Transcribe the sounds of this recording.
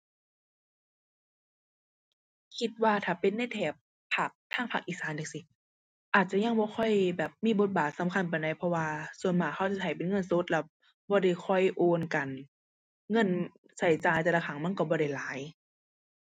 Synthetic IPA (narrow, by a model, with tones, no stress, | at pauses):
kʰi˧˦t̪̚waː˧t̪ʰaː˨˩pe˨nːa˧˩˨jt̪ʰɛː˨˩p̚ʰː | a˧˩k̚t̪ʰaː˧˥˨ŋpʰa˧˩k̚ʔiː˧˩saː˨˦ndi˧˩k̚si˧ | ʔaː˨˩t̪̚t͡ɕa˧˨ɲa˧ŋbɔː˧˦xʰɔ˧˨jbɛː˨˩p̚miː˧˥˨bo˧˦t̪̚baː˨˩t̪̚sa˨˦mkʰa˧˥˨np̬a˨da˧˩jpʰɔ˧waː˧su˧˨ənmaː˧˩kʰa˧˥˩wt͡ɕa˨˧˦t̪ʰa˨˩jpe˨nŋɤ˧˥˨nso˧˦t̪̚la˧˩ | bɔː˧ɾa˧˩˨jxʰɔ˧˥˩jʔoː˧nka˨˩n | ŋɤ˧˥˨n | sa˧˩jt͡ɕaː˨˩jt̪ɛː˧˩la˧˩xʰa˧˩˦ŋma˧˥˨nkɔ˧˩bɔː˧˦ɾa˧˩jlaː˨˦j